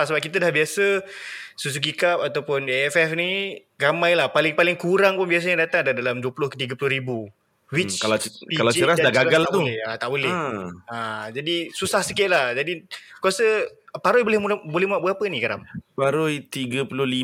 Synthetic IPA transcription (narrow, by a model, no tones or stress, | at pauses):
səbap̚kit̪ədahbiasəsus̬uɡikap̚at̪awpʊneɛfɛfni | ramãjlahpalɪŋpalɪŋkuɾaŋpʊnbias̬əɲadat̪aŋdadalamduəpulʊhkət̪iɡəpulʊhɾibu | wit͡ʃkalapikalawd͡ʒəɾasadaɡaaɡalat̪uɛhat̪aʔbolɛad͡ʒadisusahsəkɪt̪̚lahd͡ʒadikuasəpaɾʊjbolɪhmuabolɛhmuaʔbuapənikaɾa̰mpaɾʊjt̪iɡəpulʊhli